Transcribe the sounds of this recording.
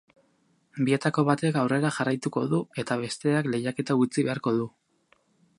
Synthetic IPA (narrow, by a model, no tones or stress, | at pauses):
bie̞t̪ako̞βat̪e̞kawre̞ɾaxarajt̪uko̞̰ðue̞t̪aβ̞e̞st̪e̞akle̞jake̞t̪aut͡siβe̞aɾko̞ð̞u